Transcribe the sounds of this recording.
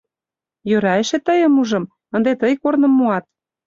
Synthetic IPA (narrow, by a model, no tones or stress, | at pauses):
jøɾɑĕʃĕt̪əjə̆muʒɤ̆m | ə̆nd̪et̪əjkornɤ̆mːuɑt̪̚